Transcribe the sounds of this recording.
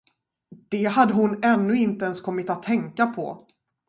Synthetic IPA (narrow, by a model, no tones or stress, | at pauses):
d̪̥ɛɦad̪ːəɦʊnɛnːɵɪnt̪əɛnskʰɔmːɪt̪at̪ʰːɛŋkapʰɔ̰